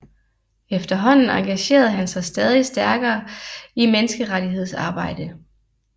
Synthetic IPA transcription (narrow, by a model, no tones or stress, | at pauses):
efd̥ɐɦɒ̽n̰n̩ɑ̈ŋɡ̥æɕe̝̰ːɐð̞̩ˠɦænsɑ̈ɪsd̥ɛːð̞ˠisd̥æɐɡ̥ɐːimenəsɡ̥əʁaɾiɦe̝ð̞̰ˠsɑ̈ːb̥ɑ̈ɪ̰d̥ə